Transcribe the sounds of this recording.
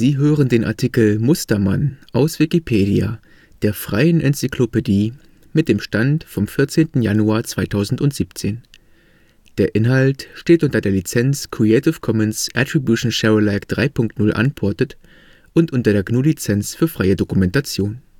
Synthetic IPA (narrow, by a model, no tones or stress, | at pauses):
z̥iːɦøːʁəndeːnʔa̰ɐtʰiːkl̩mʊstɐmanʔaʊsv̥ikipʰeːdia̰ | d̥eːɐfʁ̥a̰ɪənʔɛ̰nt͡siklopediː | mɪt̚d̥eːmʃtantfɔmfɪɐt͡seːntn̩januaːɐt͡sv̥aɪtʰaʊzn̩tʊntz̥iːp̚t͡seːn | d̥eːɐʔɪnɦaltʃteːtʔʊntɐdeːɐlit͡sɛnt͡skʁ̥iɛɪtɪfkʰɔmənsʔɛtʁ̥ibjuʃn̩ʃɛəlaɪkd̥ʁaɪpʰʊŋk̚tnʊlʔa̰npʰɔɐtət | ʔʊntʔʊntɐdeːɐɡnuːlit͡sɛnt͡sfyːɐfʁ̥aɪədokumɛntat͡sjoːn